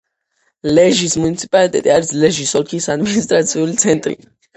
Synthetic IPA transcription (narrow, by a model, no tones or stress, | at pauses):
lɛʒismunit̪sʰi̥pʼalit̪ʼɛt̪ʼiaɾislɛʒisɔlkʰisad̪minist̪ʼɾat̪sʰiulit̪sʰɛnt̪ʼɾḭ